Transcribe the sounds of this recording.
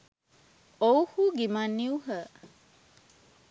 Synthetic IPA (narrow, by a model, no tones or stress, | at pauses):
ohuɡimanːiuɦə